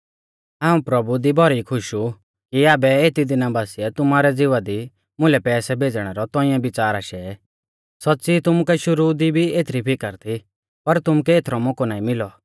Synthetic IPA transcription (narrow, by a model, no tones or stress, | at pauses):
ɦaːũpɾɐbud̪ibʱɔɾikʰʊʃu | kiaːbɛeːt̪id̪ɪnabaːsiɛt̪ʊmaːɾɛd͡zɪʋad̪i | mʊlɛpɛːsɛbʱeːd͡zɽ̃ɛɾɔt̪ɔ̃ɪ̃jãbɪt͡saːɾaːʃɛ | sɔtːsit̪ʊmukɛʃʊɾud̪ibʱieːt̪ʰɾipʰɪkəɾt̪ʰi | pɐɾt̪ʊmukɛeːt̪ʰɾɔmɔkɔnaːĩmɪlɔ